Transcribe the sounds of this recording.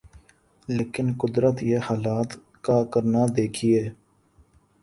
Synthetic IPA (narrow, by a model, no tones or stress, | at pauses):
leːkɪnkʊd̪ɾət̪jeːhaːlaːt̪ | kaːkəɾnaːd̪eːkʰiɛː